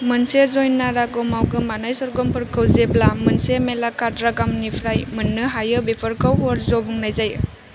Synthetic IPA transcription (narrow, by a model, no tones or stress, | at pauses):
mɯnsezojnːaɾaɡɔmawɡɯmanajsɔɾɡɔmpʰɯɾkʰɯwzeblamɯnsemelakadɾaɡamnipʰɾajmɯnːɯɦajɯbepʰɯɾkʰawɦɔɾzobuŋnajzaj